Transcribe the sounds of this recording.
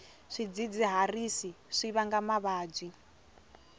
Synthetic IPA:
ʂid͡zid͡ziɦarisi | ʂiβaŋɡamaβaːd͡zʷi

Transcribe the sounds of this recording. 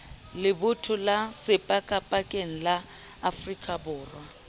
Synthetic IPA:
lɪbʊtʰʊlasɪpʼakʼapʼakʼeŋ̩laː | frikʼabʊːrwa

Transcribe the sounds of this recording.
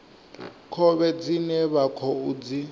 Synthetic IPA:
kʰɔβɛd͡zinɛβakʰɔud͡zi

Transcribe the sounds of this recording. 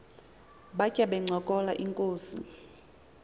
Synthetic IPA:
ɓacʲʼaɓɛŋ͡ǀʱɔkʼɔlaʔiŋkʼoːsḭ

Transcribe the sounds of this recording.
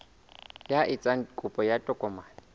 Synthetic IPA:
jaʔɪt͡sʼaŋ̩kʼʊpʼɔjatʼɔkʼɔmaːnɛ

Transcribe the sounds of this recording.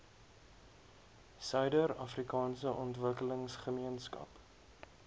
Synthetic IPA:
sœɥdəɾɐfrikɑːnsəʔɔntvəkələŋsχəmiənskɐ̰p

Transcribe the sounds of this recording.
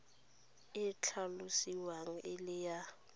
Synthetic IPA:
ɪt͡ɬʰalusiwaŋ̩ʔɪlɪja

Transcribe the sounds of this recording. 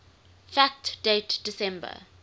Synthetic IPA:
fæk̚td̥eɪtd̥ɪsɛ̃mbə̰

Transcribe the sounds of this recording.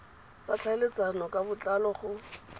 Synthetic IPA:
t͡sat͡ɬʰalet͡sanɔkʼabʊt͡ɬʼalɔχʊ

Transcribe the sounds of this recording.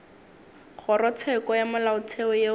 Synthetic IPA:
χʊrɔt͡sʰɛkɔjamalaʊt͡sʰeɔje

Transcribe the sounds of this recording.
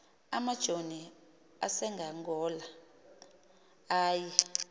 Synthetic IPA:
amad̥ʒ̥ʱoni | a̰sɛŋɡaŋɡɔːla | aːji

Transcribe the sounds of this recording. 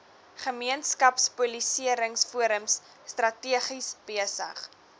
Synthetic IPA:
χəmiənskɐpspulisiəɾəŋsfuəɾəmsː | trɐtiəχisb̥iəsə̰χ

